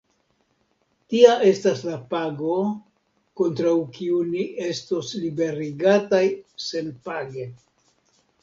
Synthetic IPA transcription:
tiaʔe̞staslapaɡo̞ | ko̞ntɾawkiuniʔe̞stoslibe̞ɾiɡatajse̞npaɡe̞

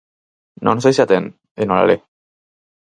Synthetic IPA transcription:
nonsajsat̪en | enola̰le

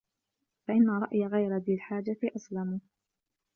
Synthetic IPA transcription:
faʔɪnːaˤɑʔjaɣajɾad̪iːlħaːd͡ʒaʔaslam

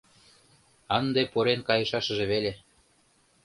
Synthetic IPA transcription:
ɑnd̪epoɾenkɑjɤ̆ʃɑʃə̆ʒĕβele

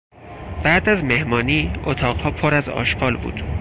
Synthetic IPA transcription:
b̥æʔd̪æzme̞hmɒːniːʔot̪ʰɒːʁhɒːpʰoɾæzɒ̰ːʃɡɒːlbṵːd̪̥

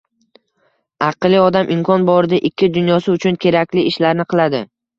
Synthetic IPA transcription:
ɑqlˠɪɒd̪amʔɪmkʰɒnbɒɾɪd̪ɪʔɪkʲʰːɪd̪ʊnjɒsɪʊt͡ʃʰʊnkʲʰe̞ɾakʲlɪɪʃlaɾnɪqʰɨlˠad̪ɪ

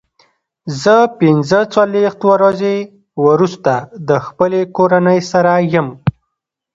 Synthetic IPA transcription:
zəpɪnzət͡salwext̪waɾaze | wəɾust̪ad̪əxpəlekoɾanəjsaɾajəm

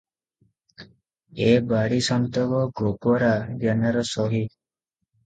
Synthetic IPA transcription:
ebaɽisɔnt̪ɔɡɔɡopɔɾaɡjanaɾɔsɔɦi

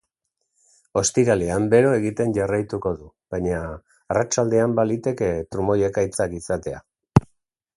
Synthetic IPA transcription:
o̞st̪iɾaleambe̞ɾo̞e̞ɣit̪e̞nʝarajt̪uko̞ðu | β̥aɲaː | rat͡ʃald̪e̞ambalit̪e̞ke̞t̪ɾumo̞je̞kait͡sakisat̪e̞a̰

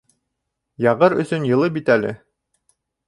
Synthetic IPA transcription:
jɑʁɤɾɵ̰̆sɵnjɤ̆lˠɤpbit̪ælɘ̰

